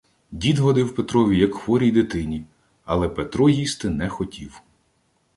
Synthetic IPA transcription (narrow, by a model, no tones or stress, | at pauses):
dʲid̪ɦɔd̪ɪwpet̪ɾɔʋʲijɐkxʋɔɾʲijd̪ɪt̪ɪnʲi | ɐlˠɛpet̪ɾɔjist̪ɪnɛxɔtʲiw